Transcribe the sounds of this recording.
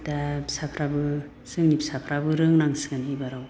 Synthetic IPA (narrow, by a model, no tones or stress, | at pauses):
dapsapʰɾabɯ | sɯŋnibsapʰɾabɯɾɯŋnaŋsɯŋanibaɾaw